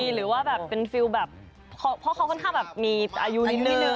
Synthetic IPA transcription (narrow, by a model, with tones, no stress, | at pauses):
ɾɯː˩˦waː˥˩bɛː˨˩pːe˧nfi˧wbɛː˨˩p̚ | kʰa˦˥pʰɔ˦˥xʰa˦wkʰɔ˥˩nkʰaː˥˩ŋbɛː˨˩p̚miː˧ʔaː˧ju˦˥nni˦˥t̪nːɯ˦˥˨ɯ˨